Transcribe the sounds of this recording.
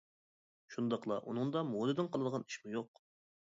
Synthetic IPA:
ʃund̪ɑqlˠɑ̰ʔṵnɨŋd̪ɑmolɨd̪ɨnqʰɑlˠɨd̪əʁɑni̥ʃmujoq

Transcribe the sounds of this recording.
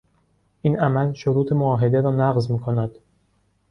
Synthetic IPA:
ʔiːnæmælʃoɾuːt̪ʰe̞moɒːɦe̞d̪e̞ɾɒːnæɣzmiːkʰo̞næd̪̥

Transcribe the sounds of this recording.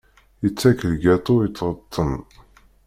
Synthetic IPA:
jət͡sːækəlɡæt̪ˤojət͡sːʁət̪ˤʰːən

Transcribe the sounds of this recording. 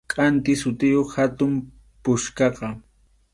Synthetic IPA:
kʼant̪ɪsʊt̪ɪjoχhat̪ʊm | pʊʃkɑqɑ

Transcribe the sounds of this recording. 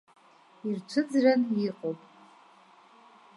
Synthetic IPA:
irt͡ʃʷʰɨd͡zraniqʼowpʼ

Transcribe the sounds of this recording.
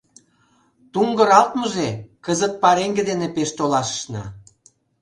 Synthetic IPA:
t̪uŋɡə̆ɾɑlt̪məʒekəzət̪̚pɑɾeŋɡed̪enepeʃt̪olɑʃə̥ʃnɑ̰

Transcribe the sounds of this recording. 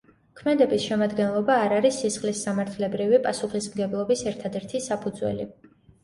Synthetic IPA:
kʰmɛd̪ɛbisʃɛmad̪ɡɛnlˠɔbaːɾaɾisːisχlisːamaɾt̪ʰlɛbɾivipʼasuχismɡɛblˠɔbisɛɾt̪ʰad̪ɛɾt̪ʰisapʰud̪zwɛ̰li

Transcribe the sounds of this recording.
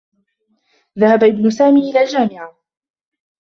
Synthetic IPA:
ðahabaʔɪbnʊsaːmiːʔɪlaːld͡ʒaːmɪʕa

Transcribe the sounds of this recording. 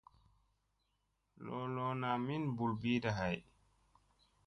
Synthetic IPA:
lɔlɔnaminbulbiːdaɦaj

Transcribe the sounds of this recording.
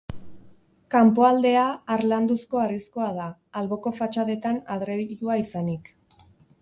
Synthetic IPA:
kampo̞ald̪e̞aːɾland̪usko̞arisko̞aðaː | lβo̞ko̞fat͡ʃaðe̞t̪anaðɾeuaisanik

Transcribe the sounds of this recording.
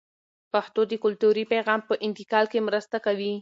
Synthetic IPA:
paxt̪od̪əkʊlt̪uɾipajɣɑmpəʔɪnt̪ɪkɑlkemɾəst̪akawi

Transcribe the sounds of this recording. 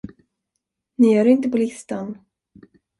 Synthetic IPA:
nɪjœːɾɪnt̪əpɔlɪst̪an

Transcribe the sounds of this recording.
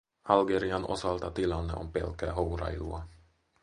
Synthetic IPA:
ɑlɡeɾiɑnʔo̰sɑlt̪ɑt̪ilɑnːə̰ʔompɛ̰lkæɦoɾɑ̰jlṵɑ

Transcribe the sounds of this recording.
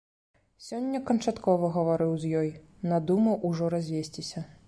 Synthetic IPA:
sʲɔnʲːɐkɐnt͡ʂat̪kɔvɐɣɐvaɾɨwzʲjɔj | nɐd̪umɐʔuʐɔɾazʲvʲesʲt͡sʲisʲɐ

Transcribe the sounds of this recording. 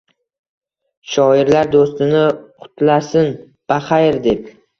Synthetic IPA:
ʃɒɪɾlaɾd̪ost̪ɪnɪqʰʊ̥t̪ʰlasɪn | b̥aχajɾd̪ep

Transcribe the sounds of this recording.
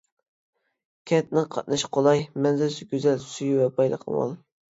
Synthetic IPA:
kʲʰɛnt̪̚nɨŋqʰɑt̪̚nɨʃqʰolˠɑjmɛnzɪɾsɪɡʲøzɛlsyjiwɛbɑjlˠə̰qʰə̰mɑ̰lˠ

